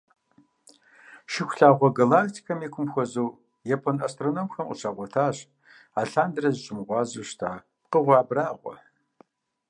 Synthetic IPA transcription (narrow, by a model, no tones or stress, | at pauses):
ʃɪxʷʊɬaːʁʷɔɡɐlaːktʰi̥kʰɐmeːkʷʰʊmxʷɐzuw | jɛpʰɐnɐstronoːmxɐmʔə̰t͡ʃʰaːʁʷɔtʰaːɕʼ | aːɬaːndrɐzɕʼɪmʁʷɑːzuːʃtʰaː | p̚qəʁʷɑːbraːʁʷɔ̰